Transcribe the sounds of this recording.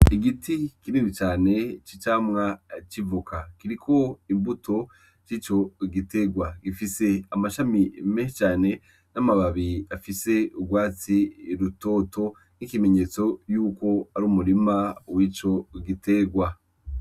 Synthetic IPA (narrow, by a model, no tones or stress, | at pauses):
iɡitʰikininit͡ʃaːne̞t͡ʃit͡ʃaːmŋat͡ʃivukʰakiɾikʰo̞imbutʰo̞ | t͡ʃiːt͡ʃo̞ɡite̞ɡwaɡifise̞amaʃamimeʃt͡ʃaːne̞ | namaβaβiafise̞uɡwaːt͡siɾuto̞ːto̞ | nikime̞ɲe̞ːt͡so̞juːko̞aɾuːmuɾimawiːt͡ʃo̞ɡitʰe̞ːɡwa